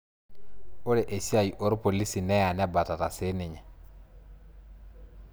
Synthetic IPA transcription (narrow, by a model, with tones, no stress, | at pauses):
o˦le˨ʔe˨si˦a˨ji˨ʔo˦ɾpo˨li˦si˨nɛ˦ja˨nɛ˦ba˨ta˨ta˨se˦ne˨ɲɛ˨